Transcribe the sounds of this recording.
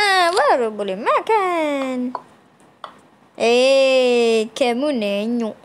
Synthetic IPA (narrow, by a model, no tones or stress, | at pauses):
awaɾobolimakɛn | ekɛmuneɲu